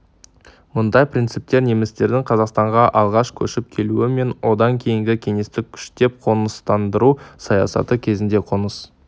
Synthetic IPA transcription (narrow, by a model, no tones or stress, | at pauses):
mʊnd̪ɑjpɾint̪sɨp̚t̪e̞ɾne̞mɪst̪e̞ɾd̪ɪŋqʰɑzɑqst̪ɑɴʁɑʔɑlˠʁɑʃkʲʰɵʃɪp̚kʲʰe̞luɪme̞nwʔo̞d̪ɑŋkʲʰe̞jɪŋɡʲɪkʲʰe̞ŋe̞st̪ɪkʲʰʏ̥ʃt̪e̞p̚qʰo̞nəst̪ɑnd̪əɾusɑjɑ̰sɑ̰t̪əkʲʰe̞zɪnd̪e̞qʰo̞nəs